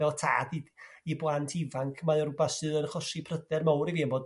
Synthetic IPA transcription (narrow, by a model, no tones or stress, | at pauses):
ɛɔtʰa̰ːdiiblˠantʰivaŋkʰmaɔrʊbasɨðənəχɔsipʰrədɛrmawɾiviːnboːd